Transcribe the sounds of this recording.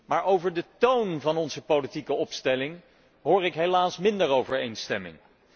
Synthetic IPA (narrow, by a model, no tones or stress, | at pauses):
maːɹowvəɹdətownvɑnɔnzəpolitikəɔpstɛlɪŋ | ɦʊːɹɪkɦejlaːsmɪndəɹowvəɹḛjnstɛmɪ̰ŋ